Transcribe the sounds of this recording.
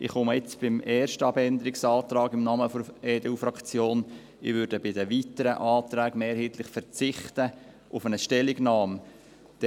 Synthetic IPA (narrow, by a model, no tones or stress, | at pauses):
ɪ̰χʊməɪt͡sb̥ɪmɛːɾʃtəɑbɛnd̪əɾɪksɑːt̪ɾɑːɡɪmnɑːməfɔɛːdeufɾɑkt͡sjoːn | ɪ̰ʋʏɾdəbɪdəʋitəɾəʔɑːt̪ɾæːɡ̥meːɾhiːt̪lɪχfɛɾt͡sɪχtə | ʔʊfənəʃtɛlːɪɡnɑːm | d̥